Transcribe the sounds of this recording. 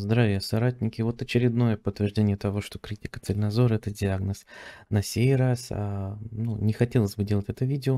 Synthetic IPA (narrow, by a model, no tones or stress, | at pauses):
zd̪ɾavʲɪjəsɐɾat̚ʲnʲɪkʲɪvo̞t̪ɐt͡ɕɪɾʲɪd̪no̞jəpət̪ːvʲɪrʐdʲenʲɪjət̪ɐvo̞ʂt̪o̞kɾʲitʲɪkət̪səlʲɪnɐzo̞ɾəɛt̪ədʲɪaɡnəsnɐsʲejrasanunʲɪxɐtʲe̞lˠəsʲbɨdʲelˠətʲɛt̪əvʲidʲɪo